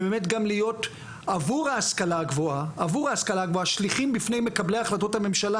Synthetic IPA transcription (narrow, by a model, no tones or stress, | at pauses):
beme̞t̬ɡamlijo̞t | avuʁaːskalaɡvoaːvuʁaːskalaɡvoaʃliχimbifne̞jme̞kablejaχlato̞tame̞mʃala